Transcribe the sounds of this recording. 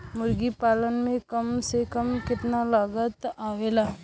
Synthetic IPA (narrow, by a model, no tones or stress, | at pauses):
mʊɾɡipaːlənmẽkəmsekəmkɪt̪nalaːɡət̪aːʋeːlaː